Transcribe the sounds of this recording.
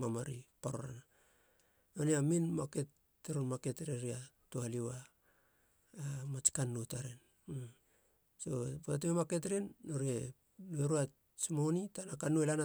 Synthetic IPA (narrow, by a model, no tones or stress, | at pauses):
mamaɾipaɾoɾa̰na | oniaminmake̞tː | eɾonmaketɾeɾia | toaliwa | mat͡ʃkanːutaɾen | so̞poatememaket̬ɾenːoɾe | noeɾua | t͡ʃmonitanakanːuelana